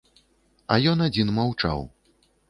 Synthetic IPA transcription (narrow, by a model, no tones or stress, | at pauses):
ɐ̰jɔnad͡zʲinmawt͡ʂa̰w